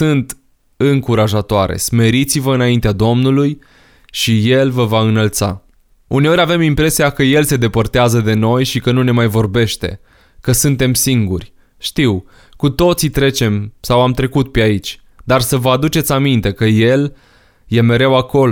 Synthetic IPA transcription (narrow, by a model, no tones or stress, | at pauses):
sɨnt̪ | ɨŋkuɾaʒat̪oaɾḛsme̞ɾit̪sivəɨnaint̪ead̪o̞mnuluj | ʃije̞lvəvaɨnəlt̪sa̰ | une̞o̞ɾʲave̞mimpɾe̞siakəje̞lse̞d̪e̞pərt̪eazəd̪e̞no̞jʃikənune̞majvo̞rbe̞ʃt̪e̞̰ | kəsɨnt̪e̞msiŋɡurʲ | ʃt̪iw | kut̪o̞t̪sit̪ɾe̞t͡ʃe̞msawamt̪ɾe̞kut̪̚peait͡ʃʲ | d̪arsəvəad̪ut͡ʃe̞t̪sʲamint̪e̞kəje̞l | je̞me̞ɾe̞wako̞l